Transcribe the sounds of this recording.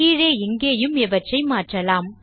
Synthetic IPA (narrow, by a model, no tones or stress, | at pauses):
iːɾeːɪŋɡeːjɯmɛʋɐt͡ʃrɐɪmaːʈrɐlaːm